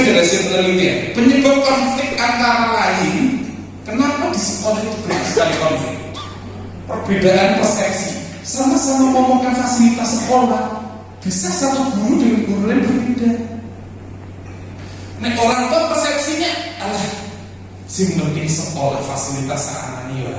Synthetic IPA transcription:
d͡ʒaɾasəmət̪əlit̪ḭpəɲəbat̪̚pasifɪk̚aŋk̪aɾalaɪn | kənapad̪̥isəkolait̪ub̥at̪asə̥kalikɔmfɪ̰k | pərb̥edaʔanpərsɛksi | samasamamɔmɔkanfasilit̪asːəkolah | b̥i̤sahsat̪uɡ̥uɾudawiɡ̥uɾulanbərbeda | nɛoɾaŋt̪ɔhpərsɛksiɲaalah | simnəpisəkolafasilit̪asa̰a̰na̰nio̰a̰

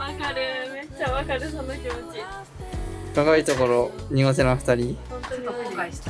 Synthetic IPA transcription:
βakaɾɯŋat͡ɕaβakaɾɯsõnːokʲimot͡ɕi | kakait̪o̞koɾo̞ɲ̟iɡot̪̬enaɸɯ̟̥t̪aɾʲiot̪ot̪okokaiɕi̥t̪a

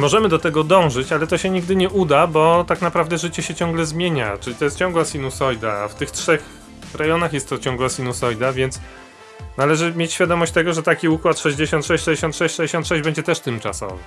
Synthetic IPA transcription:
mɔʐɛmɘd̪ɔt̪ɛɡɔd̪ɔ̃w̃ʐɘt͡ɕalɛt̪ɔɕɛɲiɡ̚d̪ɘɲɛʔud̪abɔt̪aknapɾavd̪ɛʐɘt͡ɕɛɕɛt͡ɕɔ̃ŋɡlɛzmʲjeɲa̰t͡ʂɘlit̪ɔjɛs̚t͡ɕɔ̃ŋɡwasʲinusɔjd̪aːft̪ɘxtʂɛx | ɾajɔnaxjɛst̪ːɔt͡ɕɔ̃ŋɡwasʲinusɔjd̪avʲjɛnt̪s | nalɛʐɘmʲjet͡ɕɕfʲjad̪ɔmɔɕt͡ɕt̪ɛɡɔʐɛt̪akʲiukwat̪ʂɛʑd͡ʑeɕɔnt̪ʂɛɕt͡ɕʂɛd͡ʑʲeɕɔnt̪ʂɛɕt͡ɕʂɛd͡ʑeɕɔnt̪ʂɛʑd͡ʑbɛɲd͡ʑɛt̪ɛʂt̪ɘmt͡ʂa̰sɔ̰vɛ̰

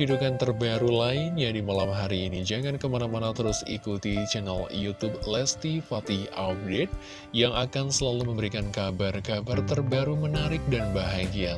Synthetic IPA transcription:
udukant̪ərbaɾulaɪnɲadimalamɦaɾiːnid͡ʒaŋankəmanamanat̪əɾʊsḭkut̪it͡ʃɛnaljut̪ub̚lɛst̪ifat̪iap̚det̪̚ | jaŋakansəlaluməmbəɾikankabarkabart̪ərbaɾumənaɾɪk̚danbaɦaɡia

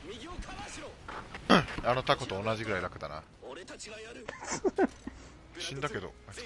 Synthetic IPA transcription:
ano̞t̪ako̞t̪o̞ːnaʑiɡɯɾaiɾakɯ̟d̪ana̰ | s | ɕĩnd̪ake̞d̪o̞̰a

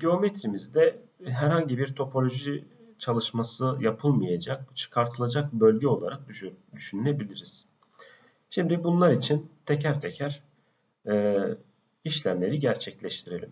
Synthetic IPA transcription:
ɟeo̞met̪ɾimizd̪ɛ | ɦæɾhaɲɟibiɾt̪ʰo̞pʰo̞lʲo̞ʒi | t͡ʃʰalˠɯʃmasɯjapʰɯlˠmɯjad͡ʒak̚t͡ʃʰɯ̥kʰaɾt̪ʰɯlˠad͡ʒak̚bø̞lʲɟɛo̞lˠaɾak̚d̪yd̪yʃynylʲe̞bilʲiɾiz̥ | ʃimd̪ibunlˠaɾit͡ʃʰint̪ʰecʰæɾt̪ʰɛcʰæɾ̥ː | iʃlʲæmlʲe̞ɾiɟæɾt͡ʃʰɛclʲɛʃt̪ʰiɾe̞lʲim

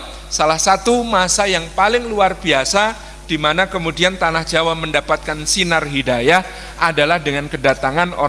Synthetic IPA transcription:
salahsat̪umasajaŋpalɪŋluarbiasa | d̥imanakəmudiant̪anahd͡ʒawaməndapat̪̚kansinarɦidajah | ʔadalahdəŋankədat̪aŋano̰

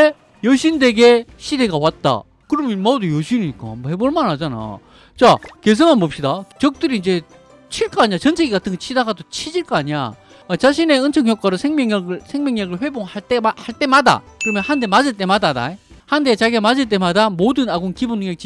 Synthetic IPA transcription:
e | jʌɕʰinde̞ɡe̞ɕʰide̞ɡawat̚t͈a̰ | kɯɾʌmjʌnmʌdojoɕʰinik͈aambohe̞boɭmanhad͡ʑana̰ | t͡ɕake̞s̬ʰɯŋanmop̚ɕ͈idat͡ɕʌk̚t͈ɯɾiːnd͡ʑe̞ | t͡ɕʰiɭk͈ʌaɲiat͡ɕʌnt͡ɕʰeɡikatʰɯnŋɡʌt͡ɕʰidaɡadot͡ɕʰid͡ʑiɭk͈ʌaɲa̰ | t͡ɕaɕʰine̞ɯnt͡ɕʰʌŋɦjʌk͈aɾɯsʰeŋmjʌŋɡɯsʰeŋmʲjʌŋɲaɡɯɭɸwe̞boŋhaɭt͈emahaɭt͈emada̰kɯɾʌmjʌnhande̞mad͡ʑiɭt͈e̞madana̰ehandet͡ɕaɡemad͡ʑiɭt͈e̞madamodɯnaɡunkibunːɯŋjek̚t͡ɕ͈i

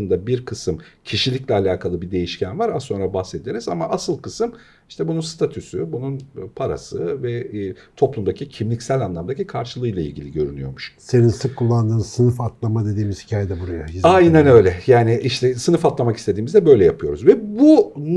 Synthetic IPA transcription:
ɯnd̪abiɾkʰɯsɯmcʰiʃilʲicʲlʲɛalʲaːkʰalˠɯbid̪e̞jiʃcʰænvaɾao̞nɾabahse̞d̪ieɾizamaʔasɯlˠkʰɯsɯm | iʃt̪ʰɛbununst̪ʰat̪ʰysybununpʰaɾa̰sɯvɛt̪ʰo̞plˠumd̪acʰicʰimlʲicsælʲanlˠamd̪acʰikʰaɾʃɯlˠɯːjlˠailʲɟʲilʲḭɟø̞ɾynyjo̞̰ɾmuʃse̞ninsɯkʰːulˠːand̪ɯːnsɯnɯfat̪lˠamad̪e̞d̪iːmiz̥hi̥cʰaːjed̪ɛbuɾajahizajnanø̞jlʲɛjaːnɪʔiʃt̪ʰɛsɯnɯfat̪lˠamakist̪ʰe̞d̪iːmizd̪ɛbø̞jlʲɛjapʰɯjo̞ɾuzvɛbu

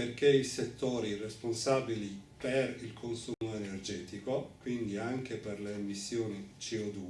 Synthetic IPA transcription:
perkeiset̪ːoːɾiresponsaːbiliperilkʰonsumoenerd͡ʒɛːt̪ikokwind̪iaŋk̟eperleːmːisːjoːnit͡ʃiɔd̪uː

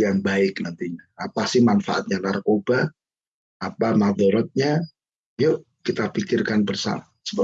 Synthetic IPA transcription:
jaŋbaɪk̚nant̪iɲaːpasɪhmanfaʔat̪̚ɲanarkobah | apamad̪ɔɾɔt̪̚ɲa | joʔ | kit̪apikɪrkanbərsa̰asə̥

